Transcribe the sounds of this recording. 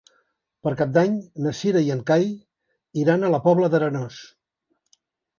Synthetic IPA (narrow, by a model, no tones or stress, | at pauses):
pəɾkap̚d̪aɲnəsiɾəiəŋkaj | iɾanələpɔβləðəɾənɔs